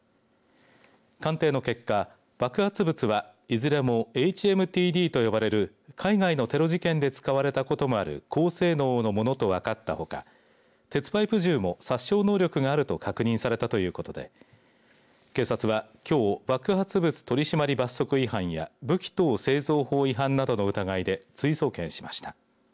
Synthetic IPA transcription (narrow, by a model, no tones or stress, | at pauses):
kãnt̪e̞ːno̞ke̞kːa | b̥akɯ̟hat͡sɨbɯt͡sɨβaizɨɾe̞mo̞e̞it͡ɕie̞mɯ̟t̪ʲiːd̪ʲiːt̪o̞jo̞baɾe̞ɾɯ̟ | kʰaiŋaino̞t̪e̞ɾo̞ʑikẽ̞nd̪e̞t͡sɨ̥kaβaɾe̞t̪ako̞t̪o̞mo̞aɾɯ̟̰kʰo̞ːse̞ːno̞ːno̞mo̞no̞t̪o̞βakat̪ːa̰ho̞ka̰ | t̪e̞t͡sɨ̥baipɯ̟ʑɨːmo̞saɕːo̞ːno̞ːɾʲo̞kɯ̟ɡaːɾɯ̟t̪o̞kʰakɯ̟ɲ̟ĩsaɾe̞t̪at̪o̞jɯ̟ːko̞t̪o̞d̪e̞̰ | kẽ̞ːsat͡sɨβ̞akʲʰo̞ːβakɯ̟ɦat͡sɨbɯ̟t͡sɨ̥t̪o̞ɾʲiɕimaɾʲibasːo̞kɯ̟iɦãɰ̃ja̰bɯ̟kʲi̥t̪o̞ːse̞ːzo̞ːho̞ːiɦãnːad̪o̞no̞ɯ̟t̪aɡaid̪e̞t͡sɨiso̞ːkẽ̞ɰ̃ɕi̥maɕi̥t̪ḁ